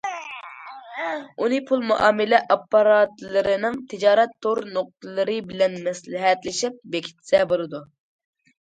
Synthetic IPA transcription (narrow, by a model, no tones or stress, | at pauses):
unɨpʰulˠmuʔɑːmɪlɛʔɑpːɑɾɑt̪lˠɨɾɪnɪŋt̪ʰɪd͡ʒɑːɾɛt̪ʰːoɾnoq̚t̪ʰɨlˠɨɾɨbɪlɛnmɛslɪɦɛt̪lɪʃip̚bekʲʰi̥t̪ʰsɛbolˠɨd̪u